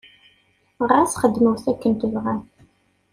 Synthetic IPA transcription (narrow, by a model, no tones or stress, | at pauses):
ʁasχəd̪ːməwθækːənt̪əvʁæ